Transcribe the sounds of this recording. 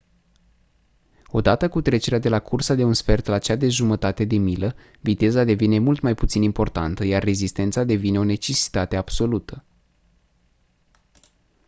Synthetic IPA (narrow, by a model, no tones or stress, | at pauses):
o̞d̪at̪əkut̪ɾe̞t͡ʃe̞ɾead̪e̞lakʰursad̪e̞unsfe̞rt̪lat͡ʃead̪e̞ʒumət̪at̪e̞d̪e̞milə | vit̪e̞zad̪e̞vine̞mult̪majput̪sinimpo̞rt̪ant̪əjarːe̞zist̪e̞nt̪sad̪e̞vine̞o̞ne̞t͡ʃe̞si̥t̪at̪e̞ab̥so̞lut̪ʰə